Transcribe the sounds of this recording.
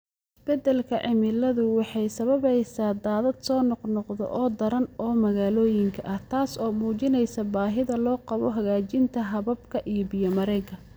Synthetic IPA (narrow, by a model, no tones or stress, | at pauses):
ɪsb̥ɛd̪ɛlkʰɐʕɪmɪlɐðʊwɑħɑjsɐβɐβɛjsaːd̪aːðɐd̪sɔːnɔqnɔqðɔ̰ʔɔːd̪ɐɾɐnɔːmɐɣaːlɔːjɪŋkʰɐʔɐht̪ʰaːsɔːmuːt͡ʃɪnɛjsɐbaːɦɪðɐlɔːqɑβɔɦɐɣaːt͡ʃɪnt̪ʰɐɦɐβɐbkʰɐʔijɔbɪjɔmɐɾɛkʰɐ